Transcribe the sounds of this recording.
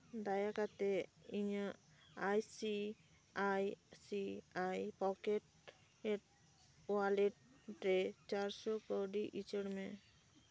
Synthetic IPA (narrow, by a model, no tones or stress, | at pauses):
d̪ajakat̪eiɲaajsi | ajsiajpɔkeʈ̚ | eʈ̚ | waleʈɾet͡ʃaɾsɔkɔɖiʔit͡ʃeɽmẽ